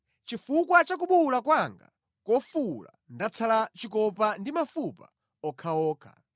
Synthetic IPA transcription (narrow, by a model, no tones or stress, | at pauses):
t͡ʃifukwat͡ʃak̬uɓulakwaŋɡa̰ | kɔfula̰ndat͡sʰalat͡ʃikɔpandimafupa̰ | ɔkʰaɔːkʰa̰